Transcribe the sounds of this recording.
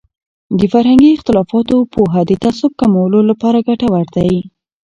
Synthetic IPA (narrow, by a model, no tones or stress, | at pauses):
d̪əfaɾhaŋɡiɪxt̪ɪlɑfɑt̪opʰoɦad̪ət̪asʊb̚kamawəlolapɑɾaɡaʈawaɾd̪aj